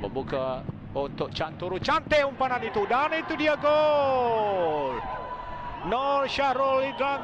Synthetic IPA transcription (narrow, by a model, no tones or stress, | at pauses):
bə̰buka | unt̪ʊʔ̚t͡ʃant̪uɾut͡ʃant̪eumpananit̪udanait̪udiaɡo | noʃaɾoliɡa